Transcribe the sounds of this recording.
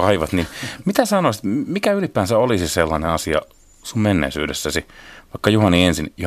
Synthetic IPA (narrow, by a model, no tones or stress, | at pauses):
ɑiʋɑt̪ninmit̪æsɑnoisi̥t̪mikæylipːæːnsæolisiselːɑnenɑsiɑ̰ | summenːḛisy̰ːdḛsːæsiʋɑikːɑjuhɑniensinj